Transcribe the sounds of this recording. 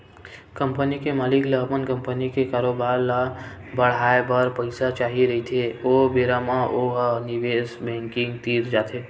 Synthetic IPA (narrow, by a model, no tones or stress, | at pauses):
kəmpənikemaːlikleəpənkə̃mpənikekaːɾobaːɾla | bəɽ̤aːebəɾpəɪsat͡ʃaːɦiɾəɦit̪ʰeobeɾamãʔoɦniʋesbɛ̃ŋkɪ̃ŋɡt̪iːɾd͡ʒaːt̪ʰe